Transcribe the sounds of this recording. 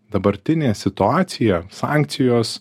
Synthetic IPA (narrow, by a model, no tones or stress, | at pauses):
d̪ɐbɐɾʲt̪ʲɪnʲeːsʲɪt̪ʊɑːt̪sʲɪjɛsɑ̰ːˑŋʲk̚t̪sʲɪjoːs